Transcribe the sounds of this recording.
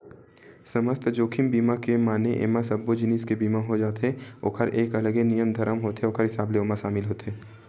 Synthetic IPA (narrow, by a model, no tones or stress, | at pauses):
sɐməst̪d͡ʒoːkʰɪmbiːmakemaːneʔḛːmasɐbːod͡ʒɪniːskebiːmaɦod͡ʒaːt̪eo̰ːkʰəɾeːkɐləɡenijəmd̪ʱɐɾəmɦoːt̪ɦeoːkʰəɾɦɪsaːbleoːmãʃaːmɪlɦoːt̪ɦeː